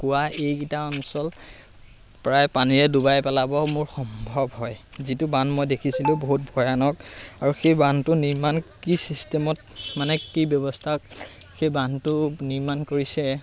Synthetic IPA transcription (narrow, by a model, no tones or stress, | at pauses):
kʊwaejkitaɔnsɔl | pɹajpaniɹɛdubajpɛlabɔmʊɹxɔmbʱɔbɦɔjzitʊbanmojdekʰisilʊ̃boɦut̚bʱɔjanɔkaɹuxejbantʊniɹmankisistɛmɔt̚manɛkibjɔbɔstʰakxejbantʊniɹmankoɹisɛ